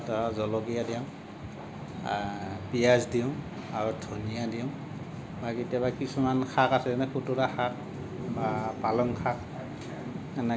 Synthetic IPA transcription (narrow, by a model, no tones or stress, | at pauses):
tɔzɔlɔɡijadiʊ̃ | pijazdiʊ̃ | aɹudʰʱunijadiʊ̃ | bakitijabakisumankʰakasɛzɛnɛkutuɾaxak̚ | bapalɔŋkʰak̚ | anɛ